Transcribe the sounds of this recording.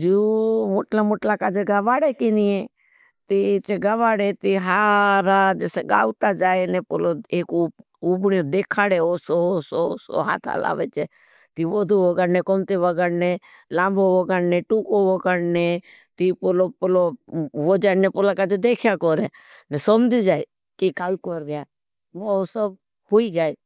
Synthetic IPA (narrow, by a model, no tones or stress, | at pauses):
d͡ʒuːmoʈlamoʈlakaːd͡ʒeɡaʋaːɽekinie | t̪iːt͡ʃeɡəʋaːɽet̪iɦaɾaːd͡ʒeːseɡa̰ːʋt̪ad͡ʒaːenẽːpoloeːku | ubɳod̪eːkʰaːɽeosososo̰ɦa̰ːt̪ʰa̰la̰ːʋeːt͡ʃeː | t̪iːʋod̪ʱuʋokəɾneːkomt̪eʋəɡəɾneː | lãːmboʋokəɽneːʈuːkoʋoːkəɾne | t̪iːpolopoloʋoːd͡ʒaːnepolakad͡ʒed̪eːkʰjakoːɾeː | nesomd͡ʒ̪id͡ʒaːe | kikaːlkoːɾɡjaː | ʋoosəb̚ | hoːid͡ʒaːe